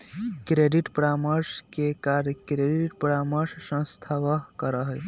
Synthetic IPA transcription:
kɾeɖiʈpɾaməɾskekaɾkɾeɖiʈpɾaməɾssə̃st̪ʰaʋəkəɾəɦəj

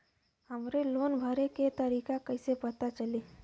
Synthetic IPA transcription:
həmɾeloːnbʱəɾeket̪əɾiːkakəɪsepət̪at͡ʃəle

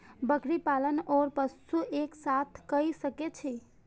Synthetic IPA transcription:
bəkɾipalənɔɾpəsuʔeksat̪ʰkəjsəket͡ʃʰi

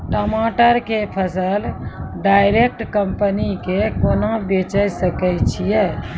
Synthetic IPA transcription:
ʈəmaːʈəɾkepʰəsəlɖaːɪɾek̚ʈkəmpənikekonabet͡ʃəjsəkəjt͡ʃʰije

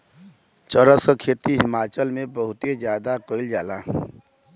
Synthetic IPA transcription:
t͡ʃəɾəsəkʰeːt̪iɦɪmaːt͡ʃəlmẽbəɦʊt̪ed͡ʒjaːd̪akəɪld͡ʒaːlaː

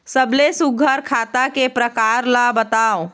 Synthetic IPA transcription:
səblesuɡʱəɾkʰaːt̪akepɾəkaːɾlabət̪aːo

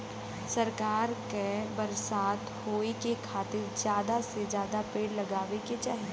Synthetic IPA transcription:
sɐɾkaːɾkebɐɾsaːt̪hoːekekʰaːt̪ɪɾd͡ʒjaːd̪ased͡ʒjaːd̪apeːɽlɐɡaːʋeket͡ʃaːɦi

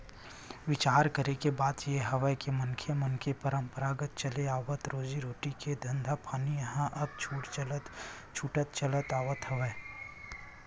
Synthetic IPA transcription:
ʋɪt͡ʃaːɾkəɾekebaːd̪jeɦɐʋəjkemɐnkʰjəmɐnkʰepəɾə̃mpəɾaːɡət̪̚t͡ʃɐleaːʋət̪ɾoːd͡ʒiɾoːʈiked̪ʱɐ̃nd̪ʱapʰaːnijɐɦãʔɐb̚t͡ʃʰuːʈt͡ʃlt̪ | t͡ʃʰuːʈət̪t͡ʃɐlət̪aːʋət̪ɦɐʋəː

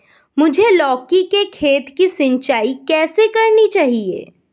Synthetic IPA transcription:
mʊd͡ʒʱelɔːkikekʰeːt̪kisɪ̃ɲt͡ʃaːikɛːsekɐɾnit͡ʃaːɦiḛː

